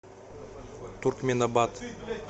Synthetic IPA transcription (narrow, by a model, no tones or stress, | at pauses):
t̪ʰurkmʲenabat̪